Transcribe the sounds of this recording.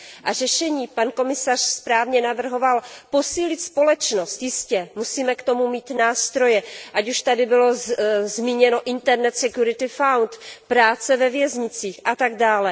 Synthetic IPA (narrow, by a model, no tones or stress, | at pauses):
ʔaʒɛʃɛɲiːpanko̞mɪsar̝̥spɾaːvɲɛnavr̩ɦo̞valpo̞siːlɪt̪spo̞lɛt͡ʃno̞st̪jɪscɛmusiːmɛkt̪o̞mumiːt̪naːst̪ɾo̞jɛʔacuʃt̪adɪbɪlo̞zmiːɲɛno̞ʔɪnt̪ɛɾnɛt̪sɛkjuɾɪt̪ɪfawnt̪pɾaːt͡sɛvɛvjɛzɲɪt͡siːxʔat̪aɡdaːlɛ